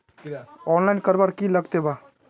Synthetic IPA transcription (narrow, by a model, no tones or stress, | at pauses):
ɔːnlaɪnkəɾbaɽkiləɡt̪eba